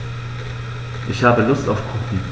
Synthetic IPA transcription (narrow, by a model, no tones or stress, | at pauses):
ʔɪçhaːbəlʊstaʊfkʰʊt̩